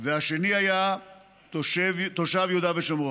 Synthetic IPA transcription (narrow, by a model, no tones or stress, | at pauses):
veaʃeniaja | ʃvt̪oʃavjeud̪aveʃomo